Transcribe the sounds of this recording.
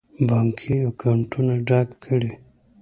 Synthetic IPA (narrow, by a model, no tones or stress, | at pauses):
baːŋkʰiakawɳʈunaɖakkʰːəɽe